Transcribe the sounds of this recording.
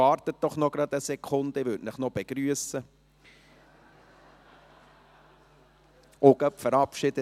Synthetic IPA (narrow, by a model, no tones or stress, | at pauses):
ɑːɾt̪ət̚d̥ɔχnɔɡ̥ɾɑd̪əsɛkʰʊnd̪əvʉtnɪχnɔb̥eɡ̥ɾyəsə | oɡœpfəɾɑpʃɪd̥̪ə